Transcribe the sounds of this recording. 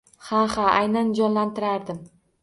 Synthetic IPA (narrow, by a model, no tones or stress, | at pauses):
hahaajnand͡ʒɒnlant̪ʰɪɾaɾd̪ɪm